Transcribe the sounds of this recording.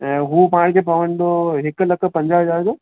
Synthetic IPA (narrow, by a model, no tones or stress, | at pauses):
ɛ̃ːɦupaːɽ̃kʰepɐʋəɽ̃d̪oɦɪklɐk̆ʰpɐ̃ɲd͡ʑaɦəd͡ʑaːɾd͡ʑoː